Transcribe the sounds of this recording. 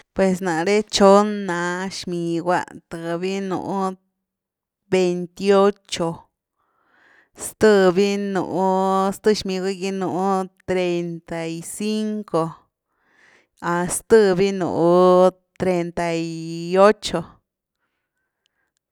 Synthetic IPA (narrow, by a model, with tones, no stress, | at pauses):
pwe˧s̬nã˨˧ɾe˦t͡ʃo˦nã˧˦ʃmĩ˧ɡʷa̰˦ʔt̪ɨ˨˧βi˦nṵ̃˧˨ʔũ˦˧ | be˧nt̪i˧o˦t͡ʃo˧ | st̪ɨ˦˧βi˦nṵ̃˨ʔũ˧˦st̪ɨ˦˧ʃmĩ˧ɡʷa˦ki˧nũ˨ũ˦t̪ɾe˧nt̪a˨i˧si˦ŋko˧ | a˨st̪ɨ˦βi˦nṵ̃˨ʔũ˧ | t̪ɾe˧nt̪a˨i˧o˦t͡ʃo˧